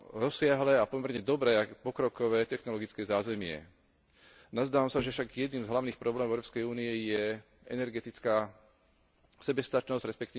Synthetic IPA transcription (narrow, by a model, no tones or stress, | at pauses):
ɾɔsɪaɦlɛːapɔmɛɾɲɛd̪ɔbɾɛːapɔkɾɔkɔʋɛːt̪ɛxnɔlɔɡit͡skɛzaːzɛmɪɛ̰ | nazd̪aːʋamsaʒɛfʃaɡjɛd̪niːmzɦlaʊniːxpɾɔblɛːmɔvɛʊɾɔpskɛjuːniɛjɛ | ɛ̰nɛɾɡɛt̪it͡skaː | sɛbɛst̪at͡ʃnɔzɟɾɛspɛkt̪iː